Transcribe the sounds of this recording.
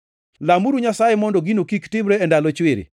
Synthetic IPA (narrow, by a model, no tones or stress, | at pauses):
lamuɾuɲasajemɔndɔɡinokiktɪbɾɛːndalot͡ʃwɪɾḭ